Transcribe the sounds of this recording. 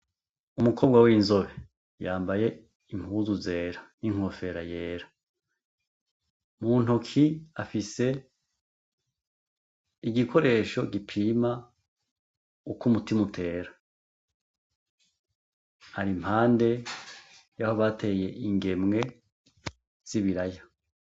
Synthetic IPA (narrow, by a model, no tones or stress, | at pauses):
umukʰo̞ːb̚ɡwawinzo̞βe̞ | jaːmbaje̞ | im̥huːzuze̞ːɾaniŋ̥o̞fe̞ɾaje̞ːɾa | muːn̥ukʰiafise̞ | iɡikʰo̞ɾe̞ːʃo̞ɡipʰiːma | ukumutimutʰe̞ːɾa | aɾim̥haːnde̞ | jaho̞βatʰe̞ːje̞ʔiŋɡe̞mŋe̞ | z̥iβiɾaja